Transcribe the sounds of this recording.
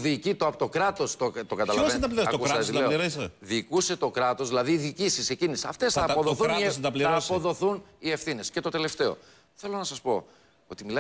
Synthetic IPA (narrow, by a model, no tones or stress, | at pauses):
ðicit̪oɐpot̪o̞kɾɐt̪o̞st̪ot̪o̞ɡɐt̪ɐlɐvet̪ɐplɾɐusɐsileoiɾeseðikuse̞t̪o̞kɾɐt̪o̞zðilɐðiðicisise̞cinisiɐft̪e̞sθɐːpoðoθunnsɐpliɐospoðo̞θunie̞fθine̞sce̞t̪o̞t̪e̞le̞ft̪e̞o̞̰ | θe̞lo̞nɐsɐspo̞̰ | ot̪imilɐ